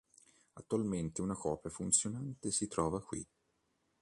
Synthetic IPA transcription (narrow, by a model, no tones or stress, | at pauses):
at̪ːualment̪eunakɔːpjafunt̪sjonant̪esit̪ɾɔːvakwḭ